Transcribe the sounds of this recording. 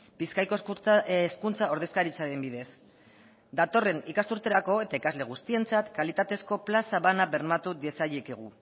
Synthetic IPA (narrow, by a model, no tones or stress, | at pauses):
biskajkoskunt͡sao̞ɾð̞e̞skaɾit͡saɾe̞mbiðe̞s | d̪at̪o̞re̞nikasuɾt̪e̞ɾako̞e̞t̪aikazle̞ɣ̞ust̪ie̞nt͡sat̪kalit̪at̪e̞sko̞plasaβanaβe̞ɾmat̪uðesaʎekeɣ̞u